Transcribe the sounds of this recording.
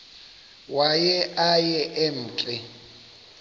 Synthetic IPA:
wajɛʔajɛʔen̩ːt͡ɬʼɪ

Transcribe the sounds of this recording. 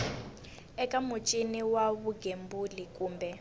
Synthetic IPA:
ɛkʼamut͡ʃʼiniwaβuɡembulikʼuːmbɛ

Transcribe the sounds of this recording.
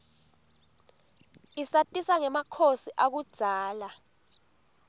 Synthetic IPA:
isatʼisaŋɛmakʰosiʔak̬ud̥ʒ̥ʱaːla

